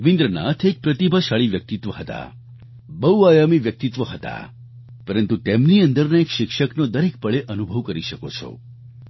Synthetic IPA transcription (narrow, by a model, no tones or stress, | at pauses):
ʋɪ̃nd̪ɾəna̰t̪ʰek̚pɾət̪ibʱaʃaɭiʋjək̚t̪it̪ʋəɦət̪a̰ | bəuajamiʋjək̚t̪it̪ʋəɦət̪a̰ | pəɾə̃nt̪ut̪emniənd̪əɾnaekʃɪkʃəknod̪əɾek̚pəɭeʔənubʱəʋkəɾiʃəkot͡ʃʰo̰